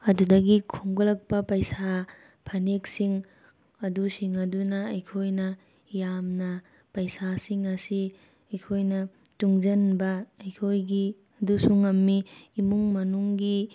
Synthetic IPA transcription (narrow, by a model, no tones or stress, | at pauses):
ɐdudɐɡikʰuŋɡɐlɐk̚pɐpɐjsa | pʰɐneksiŋ | ɐdusiŋɐdunɐːjkʰojnɐ | jamnɐ | pɐjsasiŋɐsi | ɐjkʰojnɐtuŋd͡ʒɐnbɐːjkʰojɡi | ɐdusuŋɐmːiːmuŋmɐnuŋɡi